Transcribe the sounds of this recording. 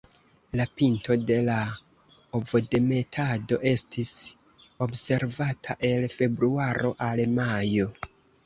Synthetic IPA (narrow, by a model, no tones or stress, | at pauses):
lapinto̞de̞la | ovode̞me̞tʰado̞ʔe̞stʰis | o̞bse̞ɾvatʰaʔe̞lfe̞bɾuaɾo̞ʔalmajo̞